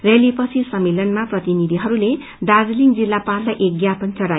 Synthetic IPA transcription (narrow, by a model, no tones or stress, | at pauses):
relipʌsʰisʌmːelʌnmaprʌt̪inid̪ʱiɦʌɾule | dard͡zliŋd͡zilːapallajʔeɡjapʌnt͡sʌɽaj